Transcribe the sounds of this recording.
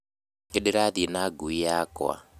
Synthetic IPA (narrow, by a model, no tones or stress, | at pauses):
ŋɡeɗiɾaðinaɡuijakwa̰